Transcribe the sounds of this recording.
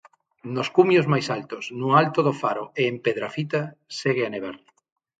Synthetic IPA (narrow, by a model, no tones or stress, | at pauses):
noskumjʊzmajsalt̪ʊsnʊalt̪oðofaɾoeːmpeðɾafit̪aseɣ̞ɪaneβ̞aɾ